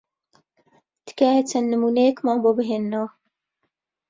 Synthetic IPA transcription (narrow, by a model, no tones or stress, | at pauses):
t̪ɨ̥kaːjet͡sʰɐnːɨmuːnejɛkmaːnboːbɨɦeːnːɐwɐ